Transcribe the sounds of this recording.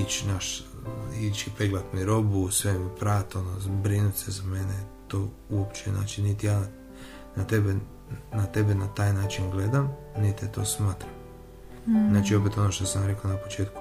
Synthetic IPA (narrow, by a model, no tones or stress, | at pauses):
it͡ʃnaʃ | it͡ʃipeɡlat̪miɾo̞busʋemipɾaːt̪onobɾinut̪ʲsezamenet̪oː | uopt͡ʃena̰ːt͡ʃinːit̪ijaːna | nat̪ebe | nat̪e̞benat̪aːjnaːt͡ʃinɡled̪am | nit̪et̪o̰ːsmaːt̪ɾam | naːt͡ʃio̞pet̪o̞noʃt̪osamjaɾekaonapo̞t͡ʃeːt̪̚ku̥